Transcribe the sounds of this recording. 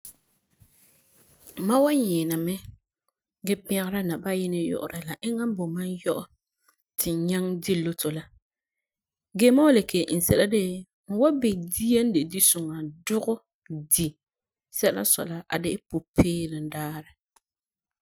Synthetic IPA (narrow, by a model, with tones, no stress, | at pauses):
ma˦wa˦ɲɛː˨na˨mɛ˦ | ɡɛ˦pɪ̃˦a˦ɣɾa˦na˨ba˦jɪ˦nɪ˦jʊ̰˨ʔʊ̰˨ɾa˨la˨ʔɪ˦ŋa˦m˦bɔ˨ma˦njɔ˦ʔʊ˨ | tʰɪ˨ɲa˦ŋdi˦lːo˦to˨la˦ | ɡeː˦ma˦wa˦le˨kʰe˨ʔn̩˨sɛ̰˨la˦dɪ˦ | ŋ̩˨wa˦be˨di˦e˦n˦dɪ˨di˦sʊ˨ŋa˨dʊ˦ɣʊ˦ | di˨ | sɛ˦la̰˦sɔ̰˨la˦ʔa̰˨dɪ˦ɪ˦po˨pʰeː˦ɾɪ˨n˦daː˦ɾɪ˨